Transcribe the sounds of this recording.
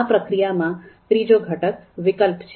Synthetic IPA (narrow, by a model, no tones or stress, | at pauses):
apɾəkɾijamãt̪ɾid͡ʒoɡʱəʈəkʋɪkəlpt͡ʃʰ